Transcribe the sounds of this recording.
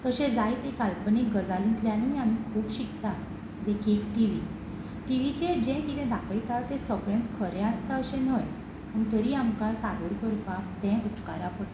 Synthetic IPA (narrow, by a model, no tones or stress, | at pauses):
t̪əɕẽd͡zajt̪ekalpənik̚ɡəd͡zalĩt̪ljaniːam̤ikʰuːpɕikt̪a | d̪ekʰikʈiʋi | ʈiʋit͡ɕed͡ʑɛ̃kit̪ʰɛ̃d̪ʱakʰəjt̪at̪ẽsəɡẽɳt͡skʰəɾɛ̃ast̪aəɕẽnəj | məɡt̪əɾiːamkasaɡəɾkəɾpat̪ɛ̃ut̪ka̰ɾapəɽ